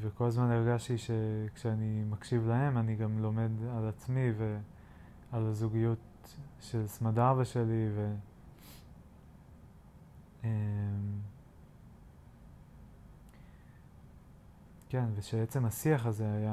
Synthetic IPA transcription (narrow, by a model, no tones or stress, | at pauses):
veko̞lazmaneʁɡaʃtiʃe̞kʃeanimakʃivlahe̞maniɡamlo̞me̞dalat͡smive | alazuɡijut | ʃe̞lsmadavaʃe̞live̞ | em | ke̞nve̞ʃeet͡se̞masiaχaze̞aja